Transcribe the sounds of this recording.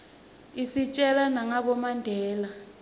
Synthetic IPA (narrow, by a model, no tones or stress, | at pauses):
isit͡ʃʼɛlanaŋaɓɔmandʱɛːla